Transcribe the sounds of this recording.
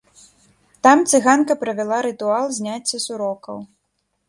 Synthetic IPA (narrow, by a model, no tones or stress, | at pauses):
t̪amt̪sɨɣankɐpɾɐvʲɛlˠaɾɨt̪ualˠzʲnʲat͡sʲːɐsuɾɔkɐ̰w